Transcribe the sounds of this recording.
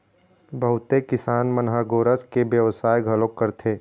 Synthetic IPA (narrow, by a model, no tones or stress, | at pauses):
bəɦʊt̪ekɪsaːnmənɦaɡoːɾəskebjəʋsaːjɡʱəlõkːəɾt̪ʰeː